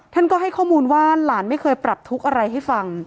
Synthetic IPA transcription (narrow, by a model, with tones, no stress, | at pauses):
t̪ʰa˥˩nkɔː˥˩ɦa˥˩jkʰɔː˥˩muː˧nwaː˥˩laː˩˦nma˥˩jkʰɤː˧jpɾa˨˩p̚t̪ʰu˦˥k̚ʔa˧ɾa˧jɦa˥˩jfa˧ŋ